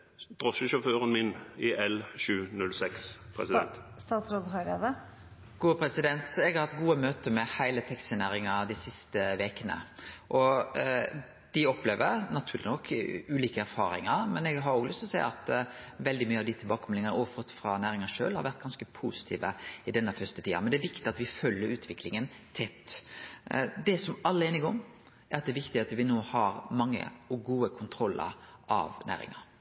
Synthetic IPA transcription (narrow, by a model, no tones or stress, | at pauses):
d̪̥ɾɔʃəʃɔføːɾənmɪnɪʔɛlʃʉːnʉlsɛkspʰɾɛ̰sɪd̪ɛ̰nt̪st̪ɑːt̪sɾoːd̪ɦɑɾed̪ə | ɡ̥uːəpʰɾɛsɪd̪ɛnt̪ɛɡhɑɾhɑt̪ɡuːəmøːt̪əmɛhæɪlət̪ʰɛksɪnæːɾɪŋɑɾd̪æɪsɪst̪əʋeːkənə̰ʔɔ | d̪̥ɪɔpleːʋəɾnɑt̪ʰʉːɾlɪ̰nɔkʰːʉːliːkəæɾfɑ̰ːɾɪ̰ŋɑɾmɛnɛɡɦɑɾoːɡlʏst̪ɔsæɪə̰ɑt̪ʋɛld̪ɪmyːəɑʋd̪ɪt̪ʰɪlbɑːkəmɛlɪŋənəʔoːʋəfɔt̪fɾɑnæːɾɪŋɑʂø̰ːlhɑɾʋæɾt̪̚ɡɑnskəpʰuːsɪ̥t̪ʰḭːʋəɪd̪ɛnːəfœst̪ət̪ʰiːɑmɛnd̪ɛːæɾʋɪkt̪ɪɑt̪ʋɪfœlːəɾʉːt̪ʰʋɪklɪŋənt̪ʰɛt̪ː | d̪ɛsɔmɑlːəeːnɪɡɔŋ | ʔæɾɑt̪̚d̪ɛɾʋɪkt̪ɪɑt̪ʋɪnoːhɑɾmɑŋːə̰ɔɡuːəkʰʊnt̪ʰɾɔlːə̰ɾʔɑ̰ʋnæ̰ːɾɪ̰ŋɑ̰ɾ